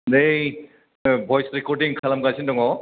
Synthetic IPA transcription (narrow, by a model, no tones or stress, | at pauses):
nej | bʱɔjsɾikɔɾɖiŋkʰalamkasʰindɔŋɔ